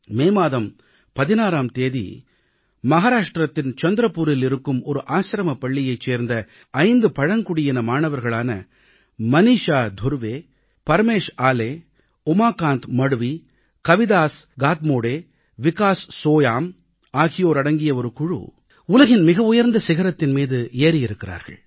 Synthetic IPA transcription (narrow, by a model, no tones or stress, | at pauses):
meːmaːðɐm | pɐðɪnaːɾaːmt̪eːðḭ | mɐɦaːɾaːʂʈɾɐt̪ːɪnt͡ʃɐnd̪ɪɾɐpːuːɾɪlɪɾɯkːɯmɔɾɯʔaːsɾɐmɐpɐɭːɪjɐɪt͡ʃːeːɾnd̪ɐ | ɐɪnd̪ɯpɐɻɐŋkʊɽɪjɪnɐmaːɳɐʋɐɾɣɐɭaːnɐ | mɐniːʂaːd̪ʱʊɾʋeː | pɐɾmeːʂaːleː | ɔmaːkaːnt̪mɐɽɯʋi | kɐʋɪðaːsɡaːt̪moːɽeː | ʋɪkaːsːoːjaːm | aːɣɪjoːɾɐɽɐŋɡɪjɐɔɾɯkʊɻṵ | ʊlɐɣɪnmɪɣɐʊjɐɾnd̪ɐsɪɣɐɾɐt̪ːɪnmiːðɯeːɾɪjɪɾɯkːɪɾa̰ːɾɣɐ̰ɭ